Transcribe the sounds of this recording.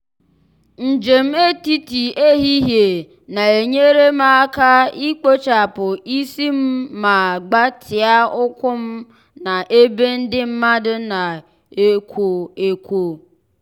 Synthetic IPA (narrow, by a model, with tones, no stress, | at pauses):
n̩˨d͡ʒe˨m̩˦e˦ti˦ti˨e˦ɦi˦ɦje˨ | na˨e˨ɲe˦ɾe˦ma˦ka˦i˦k͡po˦t͡ʃa˨pʊ˨i˦si˦m̩˦ma˨ɡ͡ba˦tʰɪ˨a˦ʊ˦kʷʊ˦m̩˦ | na˨ʔe˦be˦n̩˦dɪ˦m̩˦ma˦dʊ˦na˨ | e˦kʷo˨e˨kʷo˨